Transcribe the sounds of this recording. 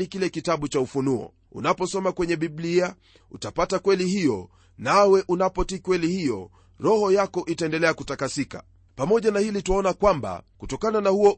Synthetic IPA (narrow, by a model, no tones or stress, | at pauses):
ikilɛkitaɓut͡ʃaufunuɔ̰ | ṵnapɔsɔmakwɛɲɛɓiblia | ṵtapatakwɛlihijɔ | nawɛʔunapɔtikwɛlihijɔ̰ | ɾɔhɔjakɔʔitaɛndɛlɛakutakasika̰ | pamɔʄanahilituaɔnakwamba̰kutɔkananahuɔ